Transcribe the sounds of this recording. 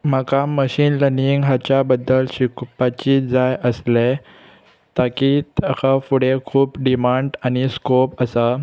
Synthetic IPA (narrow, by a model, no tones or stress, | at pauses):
makaməɕiːnləniŋɡɦat͡ɕjabəd̪ːəlɕikpat͡ɕiːd͡zajəsle | t̪akit̪akafuɽekʰuːpɖimaɳɖañiskopəsa